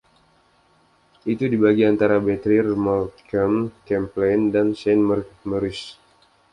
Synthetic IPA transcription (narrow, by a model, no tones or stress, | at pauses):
ʔit̪udibaɡiant̪aɾabɛt̪ɾirmɔlkəmkɛmplɛndansɛnmərməɾɪs